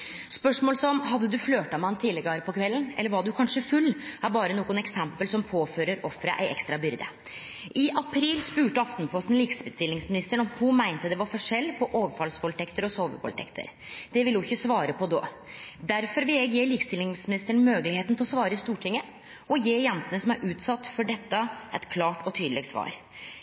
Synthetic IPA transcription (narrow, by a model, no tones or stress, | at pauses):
spœʂmoːlsɔmɦɑd̪ːəd̪ʉfløːʈ̪ɑmɑnt̪ʰiːləɡɑɾəpʰɔkʰʋɛlːənɛlːəɾʋɑɖʉkʰɑnʂəfʉlːæɾbɑːɾənuːɡʊnɛksɛmpəlsɔmpʰoːføːɾəɾɔfɾəʔæ̰ɪʔɛ̰kst̪ɾɑbʏɾd̪ə̰ | ʔɪʔɑpʰɾiːlspʉːʈəɑft̪npʰɔst̪n̩liːksbəst̪ɪlɪŋsmɪnɪst̪əɳɔmhʊmæɪnt̪əd̪ɛʋɑɾfɔʂɛlːpʰɔʔoːʋəfɑlskʰɔlt̪ʰɛkt̪əɾɔsoːʋə̰kʰɔ̰lt̪ʰɛ̰kt̪ʰə̰ɾ | d̪̥ɛʋɪlhʊɪçːəsʋɑːɾəpɔd̪o̰ː | d̪æɾfɔɾʋɪlɛːɡjeːliːkst̪ɪlnɪŋsmɪnɪst̪əɳmøːɡlɪheːt̪nt̪ɪlɔsʋɑːɾəst̪uːʈʰɪŋːə | ɔjeːjɛnt̪ənəsɔmæɾʔʉːt̪sɑt̪ːfɔɖɛt̪ːəʔɛt̪kʰlɑːʈɔt̪ʰyːd̪lɪɡsʋɑ̰ːɾ